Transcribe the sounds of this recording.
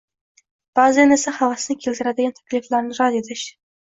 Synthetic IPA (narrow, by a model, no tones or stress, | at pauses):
b̥azɪjanesɪχavasɪnɪkʲʰelt̪ɪɾad̪ɪɡʲant̪ʰḁkʲliflaɾnɪɾɑd̪et̪ʰɪʃ